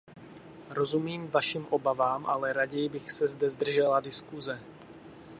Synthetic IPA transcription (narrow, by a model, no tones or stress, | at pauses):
ɾo̞zumiːmvaʃimʔo̞bavaːmʔalɛɾaɟɛjbɪxsɛzdɛzd̪r̩ʒɛladɪskuzɛ